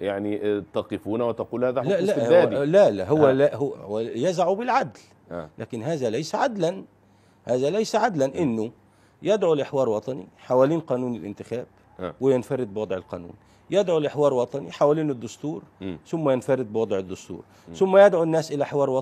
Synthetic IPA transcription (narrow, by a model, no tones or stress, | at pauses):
jaʕnit̪ɑqɨfuːnawɪt̪aquːlhaːðaalaʔæːlalaɦʊwːælahʊwwæjazaʕubɪlʕad̪l | lʔa̰ːkɪnɦaːðælajsaʕad̪lan | haːðælajsaʕad̪lanʔɪnːʊ | jɪd̪ʕulʔɪħwɑːɾˤwɑt̪ˤɑnḭħawæliːnqɑːnuːnɪlʔɪ̰nt̪ɪxaːb̥̚ | wɪjɪnfɑɾɪd̪̚bɪwɑd̪ˤʕɪlqɑ̰ːnṵːn | jɪd̪ʕulʔɪħwɑːɾˤwɑt̪ˤɑnḭħawæliːnɪd̪ːʊst̪uːɾθʊmːajɪnfɑɾɪd̪̚bwɑd̪ˤʕɪd̪ːʊst̪ṵːɾ | θʊmːajɪd̪ʕunːaːsʔɪlaʔħɪwɑːɾˤwɑt̪ˤ